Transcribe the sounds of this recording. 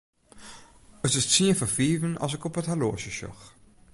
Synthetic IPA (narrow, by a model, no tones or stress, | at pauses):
ətɪssiəfərfiːvənɑ̰sɪkɔpəthaloːʃəʃɔ̰x